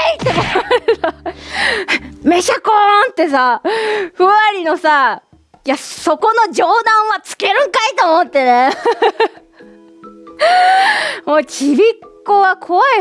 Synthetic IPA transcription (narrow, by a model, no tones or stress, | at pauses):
it̪ːekoaɾsa | meɕakõnt̪ːe̞saɸɯ̟aɾʲino̞sa | jaso̞ko̞no̞d͡ʑo̞ːd̪ãɰ̃βat͡sɨ̥ke̞ɾɯ̟̃ŋkait̪oːmot̪ːe̞ne | mot͡ɕibʲikːoβakʰo̞βai